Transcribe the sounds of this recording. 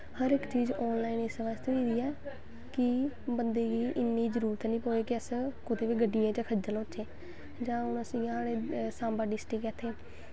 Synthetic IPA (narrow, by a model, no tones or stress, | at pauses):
həɾɪkt͡ʃiːzɔːnlaːiːnesʋaːd͡ʒt̪õːiːd̪iːɛː | kɪ | bənd̪eːɡiːʔɪnːiːzəɾuːɾət̪nĩːpoːeːkɪəskʊt̪eːʋiːɡəɖijãːt͡ʃakʰəd͡ʒəloːʃʰeː | d͡ʒãːʊnəsĩːãːɽeːsãːmbaːɖɪsʈikɛːt̪ʰːeː